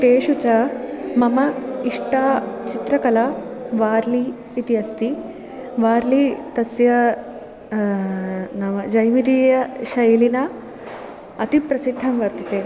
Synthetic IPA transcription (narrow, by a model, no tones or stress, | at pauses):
t̪eːʃut͡ʃɐmɐmɐiʂʈaːt͡ʃit̪ɾɐkɐlɐʋaːɾliː | t̪iɐst̪i | ʋaːɾlit̪ɐsjɐ | nɐʋɐd͡ʒɐjmid̪ijɐʃɐjlinɐ | ɐt̪ipɾɐsid̪ʱːɐmʋɐɾt̪it̪eː